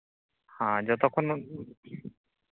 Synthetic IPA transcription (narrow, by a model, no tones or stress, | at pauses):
hãd͡ʒɔt̪ɔkʰːɔn